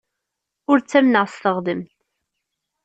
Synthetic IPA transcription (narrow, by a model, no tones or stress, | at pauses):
ʊɾt͡sːæmnəʁsθəʁðəmt̪